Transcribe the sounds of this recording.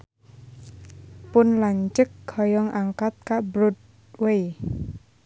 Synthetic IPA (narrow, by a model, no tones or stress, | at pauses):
pʊnlaɲt͡ʃək̚ɡɔjɔŋʔaŋkat̪̚kabɾʊt̪̚ | wej